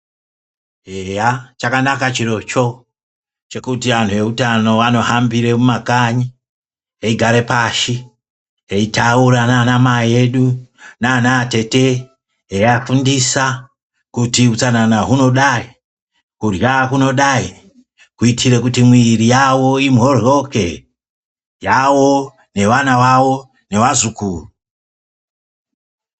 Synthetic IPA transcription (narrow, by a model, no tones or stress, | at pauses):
ejat͡ʃakanakat͡ʃiro̞t͡ʃo̞ | t͡ʃe̞kutiʋan̤tʰuʋe̞utano̞ʋano̞ɦambiɾemumakaɲi | eiɡʱaɾe̞paʃi | eitauɾananamaeɗunanaːte̞te̞ | ejafundisa | kutiut͡sananaɦuno̞ɗai | kurjakuno̞ɗai | kuitʰire̞kutimwirijawo̞imɦo̞rjo̞ke̞ | jawo̞ | ne̞ʋanaʋawo̞ | ne̞ʋazukuːru